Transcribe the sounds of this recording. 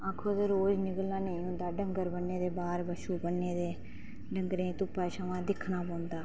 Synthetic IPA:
aːkʰoːt̪eːɾoːd͡ʒnɪɡəlnaːnəĩːɦʊ̃ːnd̪aːɖəŋɡəɾbənːẽːd̪eːbaːɾbəʃuːbənːẽːd̪eː | ɖəŋɡɾẽːt̪ʊpːaːʃəʋãːd̪ɪkʰːnaːpɔ̃ːnd̪aː

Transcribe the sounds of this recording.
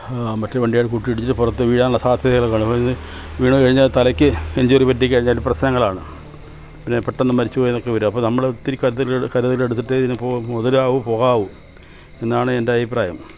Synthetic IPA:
mɐtːeʋɐɳɖijaːɭkuʈːiiɽit͡ɕːiʈːɨpurɐt̪ːɨʋiːɽaːnɭːɐsaːd̪ʱjɐðɐjɐɭokːaːɳɐpːoinːɨʋiːɳukɐɻiɲːaːt̪ɐlɐkʲːɨend͡ʑoːripɐt̬ːikʲːɐɻiɲːaːprɐɕnɐŋːɐɭaːɳɨ | pinːepeʈːenːɨmɐɾit͡ɕːɨpoːjenːokːeʋɐɾumɐpːoːnɐmːɐɭot̪ːiɾikːɐɾɐðɐlkɐɾɐðɐlile̞ɽut̪ːiʈːɨðinːɨpoːmoðɐlaːʋupo̞ːɣaːʋu | e̞nːaːɳɨendeɐbipraːjɐm

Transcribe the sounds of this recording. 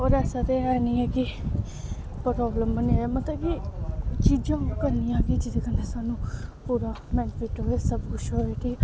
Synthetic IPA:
ɔːɾɛːsãːt̪eːɛːniːɛːkɪ | pəɾɔːbləmbəniemət̪ləbkit͡ʃiːd͡ʒãːkəɾniːjãːkid͡ʒɪd̪eːkənːeːsaːnũːpuːɾaːmɛ̃ːnfiːʈɦoːeːsəbkʊʃɦoːeːkiː

